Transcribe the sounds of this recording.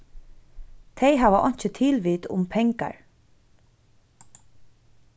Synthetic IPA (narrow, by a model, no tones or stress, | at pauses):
t̪ʰejɦaːʋaʔɔjɲ̥t͡ʃɪt̪ʰɪlʋiːt̪ʊ̰mpʰɛŋka̰ɹ